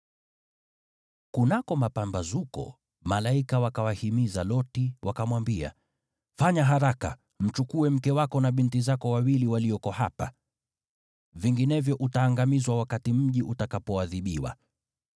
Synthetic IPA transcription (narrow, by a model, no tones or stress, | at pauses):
kunakɔmapambazukɔ̰ | malaikawakawahimizalɔtiwʔakamwambia̰ | faɲaɦaɾaka̰ | m̩t͡ʃukuɛm̩kɛwakɔnaɓintizakɔwawiliwaliɔkɔhapa | viŋɡinɛvjɔʔutaːŋɡamizwawakatim̩ʄiʔutakapɔaðiɓiwa̰